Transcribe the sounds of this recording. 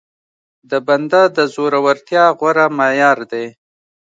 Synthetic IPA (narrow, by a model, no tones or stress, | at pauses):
d̪əband̪ad̪əzoɾawaɾt̪jɑɣwaɾamajɑɾd̪e